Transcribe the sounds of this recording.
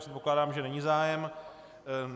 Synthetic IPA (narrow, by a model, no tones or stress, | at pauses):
rɛt̪̚po̞klaːdaːmʒɛnɛɲizaːjɛm